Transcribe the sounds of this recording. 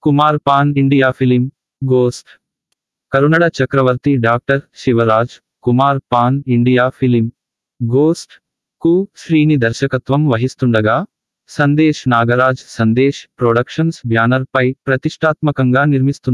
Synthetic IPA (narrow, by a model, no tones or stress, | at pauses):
kumaːɾpaːniɳɖijaːpʰilim | ɡoːsʈ | kɐɾunɐɽɐt͡ʃɐkɾɐʋɐɾt̪iɖaːk̚ʈɐɾʃiʋɐɾaːd͡ʒ | kumaːɾpaːniɳɖijaːpʰilim | ɡoːsʈ | kuʃɾiːnid̪ɐɾʃɐkɐt̪ʋɐmʋɐɦist̪uɳɖɐɡaː | sɐnd̪eːʃnaːɡɐɾaːd͡ʒsɐnd̪eːʃpɾoːɖɐkʂɐnsbʱjaːnɐɾpɐjpɾɐt̪iʂʈʰaːt̪mɐkɐŋɡaːniɾmist̪un